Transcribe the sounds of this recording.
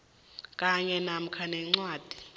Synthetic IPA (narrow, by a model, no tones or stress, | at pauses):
kʼaɲɛnam̩kʰanɛŋ͡ǀwaːd̥ʱi̥